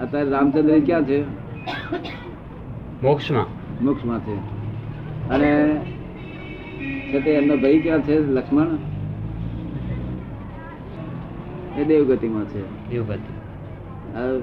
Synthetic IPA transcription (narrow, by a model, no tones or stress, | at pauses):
ət̪aːɾɾaːmt͡ʃənd̪ɾikjãːt͡ʃʰe | mʊkʃmã̰ː | mʊkʃmãːt͡ʃʰe | əne | t͡ʃʰet̪eənd̪əbʱəikjãːt͡ʃʰeləkʂməɳ | ed̪eːʋɡət̪imãːt͡ʃʰeː | eʋɡət̪i | ə